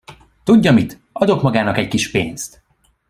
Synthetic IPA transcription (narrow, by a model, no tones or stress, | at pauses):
t̪uɟːɒmit̪ | ɒd̪o̞kmɒɡaːnɒkɛckiʃpḛːnst̪